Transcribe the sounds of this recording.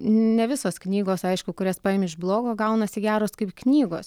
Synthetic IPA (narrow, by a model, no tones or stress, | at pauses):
nʲɛʋʲɪsoːsknʲiːɡoːsɐɪʃkʊkʊɾʲeːspɑːeːmɪʒblˠoːɡoːɡɐʊnɐsʲɪɡʲæːɾoːskɐɪpknʲiːɡo̰ːs